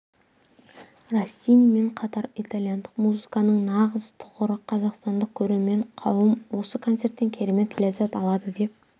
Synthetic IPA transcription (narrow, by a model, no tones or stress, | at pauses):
rosʲːijnime̞ɴqʰɑt̪ɑɾit̪alˠjand̪əqmuzɨkɑnəɴnɑʁəzt̪ʰʊʁəɾəqʰɑzɑqst̪ɑnd̪əq̚kʲʰɵɾeɾme̞ɴqʰɑwəmwo̞səkʰo̞nt̪se̞ɾt̪t̪ːe̞ŋkʲʰe̞ɾeme̞t̪ʰːɪlezɑt̪ɑlˠɑd̪əd̪e̞p̚